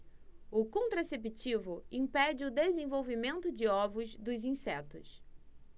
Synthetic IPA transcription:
ʊkõnt̪ɾasep̬it͡ʃivʊĩpɛd͡ʒɪʊd̪ezẽvowvimẽnt̪ʊd͡ʒɪɔvʊzd̪ʊzĩsɛt̪ʊs

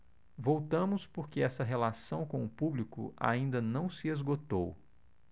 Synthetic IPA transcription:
vowt̪ɐ̃mʊspoɾkeɛsɐɦelasɐ̃w̃kõʊpublikʊ̰ʔa̰ĩnd̪ɐnɐ̃w̃sɪezɡot̪ow

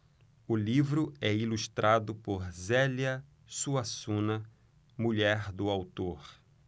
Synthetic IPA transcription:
ʊlivɾʊɛiluʃt̪ɾʔad̪ʊpoɾzɛljɐ | suasũnɐ | muʎɛɾd̪ʊawt̪oɾ

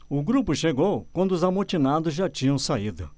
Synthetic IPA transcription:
ʊɡɾupʊʃeɡowkwɐ̃nd̪ʊʊzamot͡ʃinad̪ʊzʒat͡ʃĩɲɐ̃w̃said̪ʊ̰

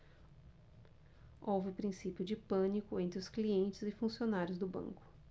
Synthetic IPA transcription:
owvɪpɾĩsipjʊd͡ʒɪpɐ̃nikʊẽnt̪ɾʊskliẽnt͡ʃɪzɪfũsionaɾjʊzd̪ʊbɐ̰̃ŋkʊ̥

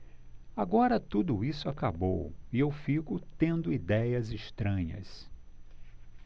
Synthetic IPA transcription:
aɡɔɾɐt̪ud̪ʊisʊakabowiewfikʊt̪ẽnd̪ʊid̪ɛjɐziʃt̪ɾɐ̃ɲɐ̰s

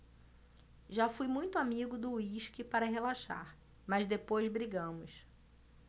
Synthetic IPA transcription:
ʒafujmũj̃t̪ʊamiɡʊd̪ʊiʃkɪpaɾɐɦelaʃa̰ɾ | mɐzd̪epojzbɾiɡɐ̃mʊs

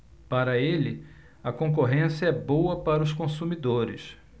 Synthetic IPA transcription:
paɾɐelɪ | ɐkõk̬oɦẽsjɐɛbowɐpaɾɐʊskõsumid̪oɾɪ̰s

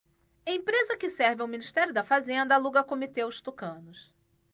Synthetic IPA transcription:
ẽpɾezɐkɪsɛɾvɪawminiʃt̪ɛɾjʊd̪ɐfazẽnd̪ɐaluɡɐkomit̪eʊst̪ukɐ̃nʊs

